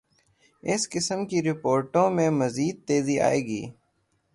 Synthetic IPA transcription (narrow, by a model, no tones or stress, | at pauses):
ɪskɪsəmkiɾɪpoːɾʈõːmẽːməziːd̪̚t̪eːzia̰ːḛːɡḭː